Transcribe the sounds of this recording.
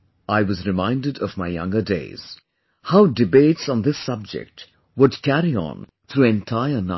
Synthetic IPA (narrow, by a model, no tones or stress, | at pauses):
aɪwʌzɾɨmãɪ̃ndɨɾʌvmaɪjʌ̰̃ŋɡədḛɪz̥ | haʊdɨbeɪtsɔ̃nd̪ɪsʌb̚d͡ʒɛ̰k̚t | wʊdkʰæɾiə̰̃n | t̪ʰɾuːɛ̃ntʰaɪəna